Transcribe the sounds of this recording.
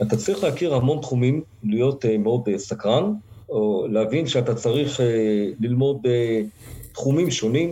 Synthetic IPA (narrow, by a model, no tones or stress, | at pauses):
at̪at͡saʁiχlehakiʁhamo̞nt̪χumim | lijo̞t̪meo̞desakʁanoleavinʃeat̪at͡saʁiχelilmo̞det̪χumimʃo̞nim